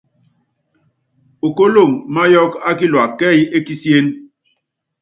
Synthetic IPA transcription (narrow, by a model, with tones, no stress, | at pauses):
o˨ko˦lo˦˨ŋma˦jɔ˦ka˦ki˦lwa˨kɛ˦˨je˦ki˦sje˦n